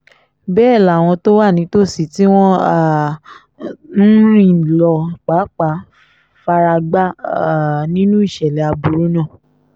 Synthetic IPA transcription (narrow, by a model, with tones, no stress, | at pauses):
bɛː˦˨la˨w̃ɔ̃˧to˦wa˦˨nĩ˨˦to˦˨si˨ti˦w̃ɔ̃˦˨ | n̩˦ɾĩ˦˨lɔ˧k͡pa˨˦k͡pa˨˦ | fa˧ɾa˧ɡ͡ba˦˨ | nĩ˦nũ˦i˦˨ʃɛ˨lɛ˨a˧bu˧ɾu˦nã˦˨